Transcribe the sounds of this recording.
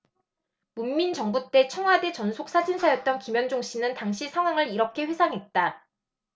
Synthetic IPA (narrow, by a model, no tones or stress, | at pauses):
munmint͡ɕʌŋbut͈e̞t͡ɕʰʌŋɦwade̞t͡ɕʌnsʰok̚s͈ad͡ʑinsʰajʌt̚t͈ʌnkimjʌnd͡ʑoŋɕ͈ʰinɯntaŋɕʰisʰaŋɦwaŋɯɾiɾʌkʰe̞ɸwe̞sʰaŋɦe̞t̚t͈a